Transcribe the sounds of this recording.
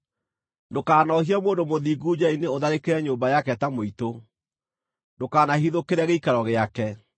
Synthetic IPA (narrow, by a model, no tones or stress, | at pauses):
ndokaːnɔhiamoːndomoðiːɡud͡ʒaineoðaɾekeɾɛɲoːmbajakɛtamoito | ndokaːnahiðokeɾɛɣeikaɾɔɣeakɛ